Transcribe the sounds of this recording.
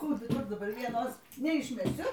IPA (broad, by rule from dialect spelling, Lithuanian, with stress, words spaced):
ˈkuː dʊˈbʊr dɐˈbɐr ˈʋʲiɛnoːs nʲɛɪʃʲmʲɛˈsʲʊ